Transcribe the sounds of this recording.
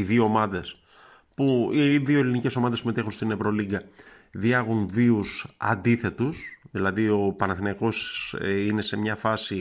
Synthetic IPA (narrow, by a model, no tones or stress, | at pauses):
iðio̞ːmɐðe̞s | puiðio̞elinice̞so̞mɐðeime̞t̪e̞xunst̪ine̞vɾo̞liɡɐ | ðiɐɣunviusɐ̰nd̪iθe̞t̪usðilɐðio̞pɐnɐθinɐko̞sine̞se̞mɲɐfɐsi